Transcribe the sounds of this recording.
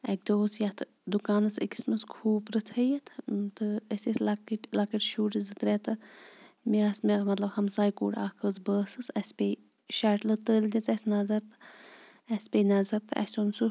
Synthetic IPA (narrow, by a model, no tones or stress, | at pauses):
ɐk̚d̪oːsjɐt̪ʰɨ | d̪ukaːnɐsə̰kʲi̥smɐskʰuːbɾɨt̪ʰɐjɐt̪ʰt̪ɨɐsislɐkiʈlɐkiʈʃuːʈzɨt̪ɾet̪ɨ | miɐsmemɐt̪lɐbhɐmsaːjkṵːʈaːkʰəːzbəːsɨsɐspʲeː | ʃaʈlɨt̪əːld̪it͡sɐsnɐzɐɾt̪ɨ̥ | ɐsʲpʲeːnɐzɐɾt̪ɨʔɐ̰sonsu